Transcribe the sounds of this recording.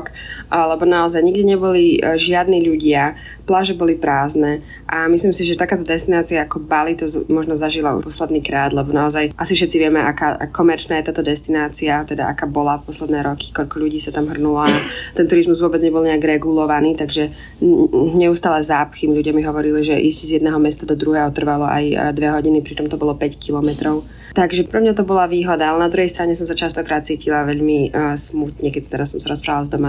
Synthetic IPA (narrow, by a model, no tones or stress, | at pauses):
klɛbɔnaɔzajɲiɡd̪iɲɛbɔliʒɪad̪niːʎuɟɪa | plaʒɛbɔlipɾaːznɛː | ʔamisliːmsiʒɛt̪akaːt̪ɔd̪ɛst̪inaːt͡siaakɔbalit̪ɔzmɔʒnɔzaʒilaṵpɔslɛd̪niːkɾaːd̪lɛbɔnaɔzajʔasifʃɛt̪t͡siʋɪɛmɛʔa̰ka̰ːkːɔmɛɾt͡ʃnaːjɛt̪aːt̪ɔd̪ɛst̪inaːt͡siat̪ɛd̪a̰ʔakaːbɔlafpɔslɛd̪nɛːɾɔki̥kɔʎkɔʎuɟiːsat̪amɦr̩nulɔat̪ɛnt̪uɾizmuzʋʊɔbɛd͡zɲɛbɔlˠɲɛaɡɾɛɡulɔʋaniːt̪aɡʒɛ | ɲɛust̪aːlɛzaːpxiːmʎuɟɪamiɦɔʋɔɾiliʒɛʔiszjɛd̪nɛːɦɔmɛst̪ad̪ɔd̪ɾuɦɛːɦɔt̪r̩ʋalɔʔa̰jd̪ʋɛɦɔɟinipɾit͡ʃɔmt̪ɔbɔlˠɔpɛckilɔmɛt̪ɾɔʊ | t̪aɡʒɛpɾɛmɲat̪ɔbɔlaʋiːɦɔd̪aalɛnad̪ɾuɦɛjst̪ɾaɲɛs̬ɔmsat͡ʃast̪ɔkɾaːt̪̚t͡siːcilaʋɛʎmismut̪ɲɛkɛt̪t̪ɛɾasːɔmsaɾɔspɾaːʋalzd̪ɔma